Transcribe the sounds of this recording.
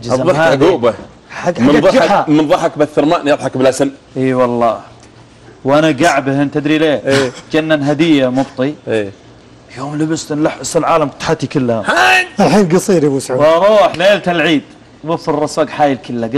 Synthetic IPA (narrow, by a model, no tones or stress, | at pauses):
d͡ʒzˤaɡuːba | ħaɡamnðˤɑamɪnðˤɑħakbaθːɪɾmaːʔnjɑðˤħɑkbɪlʔasanʔiːwɑlˤːɑː | wʔanaɡaʕbhɪnt̪ɪd̪ɾileːeːd͡ʒanːanɦad̪ɪjːamʊbt̪ˤieː | joːmlabɪst̪nlaħʔsɪlʕaːlamt̪ħat̪ːikɪlːhaaalħiːnɡɑsˤiːɾibusʕaɾˤuːħleːlt̪alʕiːd̪̥ | wʊfːɪrˤːɑsaːɡħaːjɪlkɪlːaɡ